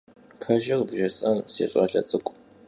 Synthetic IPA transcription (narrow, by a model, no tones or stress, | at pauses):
pʰɐʒɪrbʒɐsʼɐnsḛːɕʷʼɐɬɐ̰t͡sʼɨkʷʼ